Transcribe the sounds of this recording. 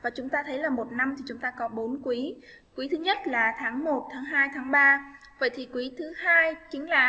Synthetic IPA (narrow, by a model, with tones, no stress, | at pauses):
vaː˨˩t͡ɕʊ˨˦ŋ͡mt̪aː˧t̪ʰə˨˦jlaː˨˩mo˨˩t̚na˧mt̪ʰi˨˩t͡ɕʊ˨˦ŋ͡mt̪aː˧kɔ˨˦ɓo˨˦nkwi˨˦ | kwi˨˦t̪ʰɨ˨˦ɲə˦˥t̚laː˨˩t̪ʰaː˨˦ŋmo˨˩t̚t̪ʰaː˨˦ŋɦaː˧jt̪ʰaː˨˦ŋɓaː˧ | və̰˧˨jt̪ʰi˨˩kwi˨˦t̪ʰɨ˨˦haː˧jki˨˦əŋlaː˧˩